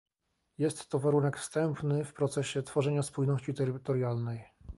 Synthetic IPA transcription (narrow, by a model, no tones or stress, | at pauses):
jɛst̪ːɔvaɾunɛkfst̪ɛmpnɘfpɾɔt̪sɛɕɛt̪fɔʐɛɲaspujnɔɕt͡ɕit̪ɛɾɘt̪ɔɾjalnɛj